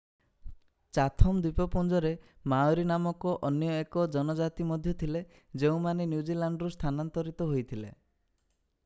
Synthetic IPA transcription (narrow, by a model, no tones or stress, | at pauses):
t͡ʃat̪ʰɔmd̪ipɔpund͡ʒɔɾe | maoɾinamɔkɔʔɔnjɔekɔd͡ʒɔnɔd͡ʒat̪imɔd̪ʱjɔt̪ʰile | d͡ʒeũmanenjud͡ʒilaɳɖɔɾust̪ʰanant̪ɔɾit̪ɔɦojt̪ʰilḛ